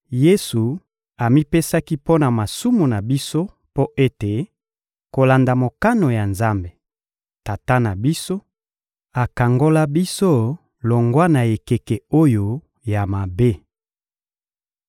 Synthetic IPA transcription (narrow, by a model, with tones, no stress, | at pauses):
je˦su˨ | a˨mi˦pe˦sa˦ki˦po˦na˨ma˨su˦mu˨na˨bi˦so˦ | po˦ʔe˦te˨ | ko˨la˨nda˨mo˨ka˦no˨ja˨nza˦mbe˨ | ta˨ta˦na˨bi˦so˦ | a˨ka˨ŋɡo˦la˦bi˦so˦ | lo˨ŋɡwa˦na˨e˨ke˨kɛ˨o˦jo˨ | ja˨ma˨be˦